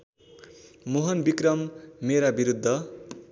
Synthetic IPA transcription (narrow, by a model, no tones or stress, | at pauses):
moɦʌnbikrʌmːeɾabiɾud̪ʱːʌ